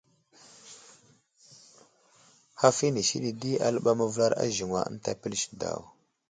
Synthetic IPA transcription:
ha˦fi˦ni˨ʃḭ˦ɗi˨di˦a˨lə˦ɓa˦ma˦və˦la˦ɾa̰˦ʒi˨ŋwa̰˨ə̰˦n˦ta˦pi˦lʃda̰˨w

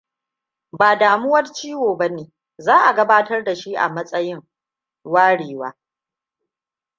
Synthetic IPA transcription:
baː˨daː˨mʊ˦wɐ˦rt͡ʃiː˦woː˨bɐ˦neː˦ | zaː˦ʔa˨ɡɐ˦baː˦tɐ˦rda˨ʃi˦ʔa̰˨mɐ˦sʼɐ˦jɪ˦ŋ | waː˦ɽeː˨wa̰ː˦

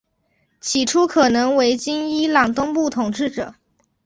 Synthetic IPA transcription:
t͡ɕʰi˨˩ʈ͡ʂʰu˥kʰɤ˨˩nɤ˧˥ŋwe˧˥ɪt͡ɕi˥ŋi˥lɑ˨˩ŋt̪ʊ˥ŋpu˥˩t̪ʰʊ˨˩ŋʈ͡ʂɻ̩˥˩ʈ͡ʂɤ˨˩˦

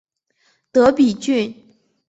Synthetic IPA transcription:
t̪ɤ˧˥pi˨˩t͡ɕy˥˩n

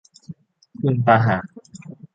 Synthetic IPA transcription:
kʰɯ˧˨npaː˧ɦaː˨˩˦

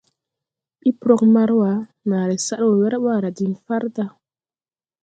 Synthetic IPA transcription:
ɓi˦pɾo˦k̚ma˦ɾwa˨˦ | na˨ɾe˨sa˦˨ɾwo˨wɛ˦ɾa˦ɓa˦˨ɾa˨di˨nfa˦ɾda˦

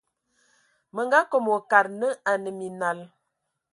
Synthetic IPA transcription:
mə˨ŋɡa˦ko˨mo˨ka˨ɾnə˦a˨nə˨mi˨na˨l

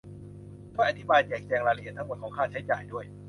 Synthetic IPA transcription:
kʰɔː˥˩ʔa˨˩t̪ʰi˦˥˩baː˧jt͡ɕɛː˨˩k̚t͡ɕɛː˧ŋɾaː˧la˧ʔi˨˩ət̪ʰːa˦˥mo˨˩n̚kʰɔː˩˦ŋkʰaː˥˩t͡ɕʰa˦˥jt͡ɕa̰ː˨˩jdu˥˩əj

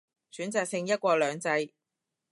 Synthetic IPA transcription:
syː˨˥nt͡saː˨k̚sɪ˧ŋjɐ˥t̚kʷɔː˧lœː˨˧ŋt͡sɐ˧j

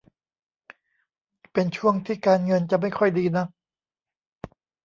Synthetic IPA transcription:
pe˧nt͡ɕʰu˥˩əŋt̪ʰiː˥˩kaː˧nŋɤ˧nt͡ɕa˨˩ma˥˩jkʰɔ˥˩jdiː˧na˦˥k̚

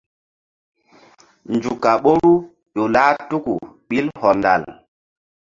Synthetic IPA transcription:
nd͡ʒu˨ka˨ɓo˦ɾu˦ | ɗo˨laː˦tu˦ku˨ɓi˦lhɔ˨nda̰˨l

